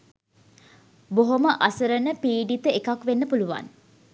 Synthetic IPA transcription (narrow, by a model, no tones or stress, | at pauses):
boɦoməʔasəɾənəpiːɖit̪əekakʋenːəpuluʋa̰n